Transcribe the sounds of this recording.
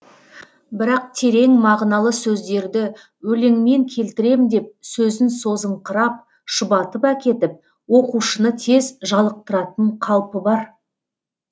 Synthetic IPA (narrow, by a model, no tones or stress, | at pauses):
bɪɾɑq̚t̪ʰe̞ɾe̞ŋmɑʁnɑlˠəsɵzd̪e̞ɾd̪ɪ | wɵleŋme̞ŋkʲʰe̞lt̪ɪɾe̞md̪e̞p̚sɵzɪnso̞zəɴqʰəɾɑp̚ | ʃʊbɑt̪əpækʲe̞t̪ɪp̚ | woquʃənət̪ʰe̞zʒɑlˠəq̚t̪əɾɑt̪əɴqʰɑlˠpəbɑɾ